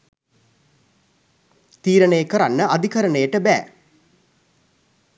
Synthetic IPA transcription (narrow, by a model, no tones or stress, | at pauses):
t̪iːɾənəjəkəɾanːəʔad̪ikəɾəɳəjəʈəbæ̰ː